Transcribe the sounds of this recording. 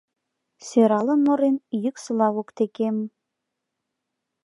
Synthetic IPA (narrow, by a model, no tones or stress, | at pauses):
seɾɑlə̆nmŏɾenjyksəlɑβokt̪ekem